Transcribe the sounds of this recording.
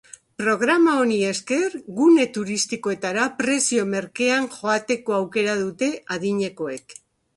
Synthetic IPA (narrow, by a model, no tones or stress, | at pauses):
pɾo̞ɣ̞ɾamao̞nie̞ske̞ɾɣune̞t̪uɾist̪iko̞e̞t̪aɾapɾe̞sio̞me̞ɾke̞anʝo̞at̪e̞ko̞awke̞ɾað̞ut̪e̞aðiɲe̞ko̞e̞k